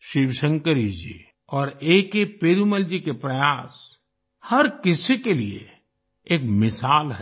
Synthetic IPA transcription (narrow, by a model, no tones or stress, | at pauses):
ʃiʋsə̃ŋkəɾid͡ʒiḛː | ɔːɾeːkepeːɾuməld͡ʒikepɾɐjaːs | hɐɾkɪsekelḭe | eːkmɪsaːlɦɛ